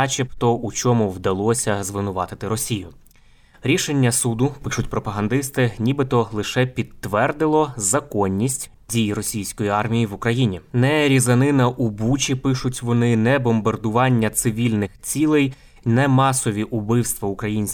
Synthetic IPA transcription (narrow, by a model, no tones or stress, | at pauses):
ɑt͡ʃʲept̪ɔut͡ʃɔmʊwd̪ɐlˠɔsʲɐzʋɪnʊʋɑt̪ɪt̪ɪɾɔsʲijʊ | ɾʲiʃe̞nʲːɐsud̪ʊpɪʃʊtʲpɾɔpɐɦɐnd̪ɪst̪ɪnʲibɨt̪ɔlˠɪʃɛpʲit̪ːʋɛrd̪ɪlˠɔzɐkɔnʲːisʲtʲ | dʲijrɔsʲijsʲkɔjiɑrmʲijiʋʊkɾɐjinʲinɛɾʲizɐnɪnɐʔubut͡ʃʲipɪʃʊtʲʋɔnɪnɛbɔmbɐrd̪ʊʋɑnʲːɐt̪sɪʋʲilʲnɪxt͡sʲilˠɛj | nɛmɑsɔʋʲiʔʊbɪwst̪ʋɐʊkɾɐjinʲsʲ